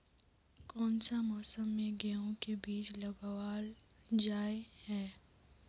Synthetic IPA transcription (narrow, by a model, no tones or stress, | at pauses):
kɔːnsamɔːsəmːẽɡɛɦõkebiːt͡ʃlɐɡwaːld͡ʒaːehɛː